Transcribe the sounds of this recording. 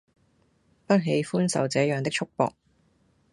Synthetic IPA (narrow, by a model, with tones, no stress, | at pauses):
pɐ˥t̚ɦe˨˧jfuː˥nsɐ̰˨wt͡sɛː˨˥jœː˨ŋt̪ɪ˥kt͡ʃʰʊ˥k̚pɔ̰ː˨k̚